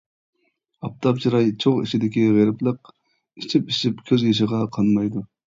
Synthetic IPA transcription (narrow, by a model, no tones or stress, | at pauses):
ɑp̚t̪ʰɑpt͡ʃʰiɾɑjt͡ʃʰoʁḭt͡ʃʰid̪ɪkʲiʁeɾɪplˠəq | it͡ʃʰipiʃipkʲʰøzjeʃ̬ɪʁɑqʰɑnmɑjd̪u